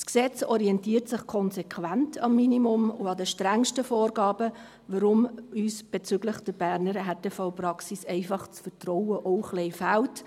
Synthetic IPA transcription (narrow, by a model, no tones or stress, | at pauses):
sksɛt͡sɔɾiɛntiːrtsɪχkʰɔnzɛkʰʋæntʰɑmːinimʊmʊɑdəʃtɾæŋʃtəfɔːɾɡɑːbə | vəɾʊmyːsb̥ɛt͡sʏɡlɪχd̥əbæɾnəɾɦɛt̚d̥əfɑwprɑksisɛɪfɑχt͡sfəɾtrɔwəʔɔʊχlɛɪfælt